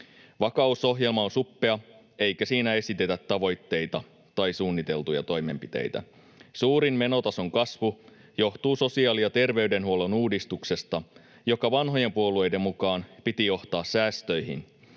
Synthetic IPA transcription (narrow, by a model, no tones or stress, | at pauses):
ʋɑkɑuso̞ɦje̞lmɑonsupːe̞ɑ | e̞jkæsiːnæe̞sit̪et̪æt̪ːɑʋo̞jt̪ːe̞jt̪ɑ | t̪ɑjsuːnːit̪e̞lt̪ujɑ̰t̪o̞jme̞̰mpit̪ḛjt̪æ̰ | suːɾimme̞no̞t̪ɑso̞ŋkɑsʋu | jo̞ht̪uːso̞siɑːlijɑt̪e̞rʋe̞yɥde̞nɦuo̞lonuːdist̪ukse̞st̪ɑ | jo̞kɑʋɑnɦo̞je̞mpuo̞lue̞jde̞mːukɑːnpit̪ijo̞ht̪ɑːssæːst̪ø̞jɦḭn